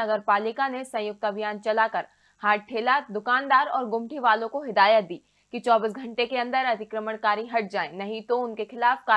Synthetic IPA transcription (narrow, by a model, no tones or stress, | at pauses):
ɐɡəɾpaːlɪkanesɐ̃jʊk̚t̪ɐbʱijaːnt͡ʃɐlakɐɾ | haːʈ̚ʈ̪ʰeːlad̪ʊkaːnd̪aːɾɔːɾɡʊmʈʰiʋaːlõkoɦɪd̪aːjət̪̚d̪iː | kit͡ʃɔːbiːs̬ɡʱɐ̃ɳʈekeɐ̃nd̪əɾɐt̪ɪkɾəməɳkaːɾiɦɐʈ̚d͡ʒaːenɐɦĩt̪oʊnkexɪlaːfkaː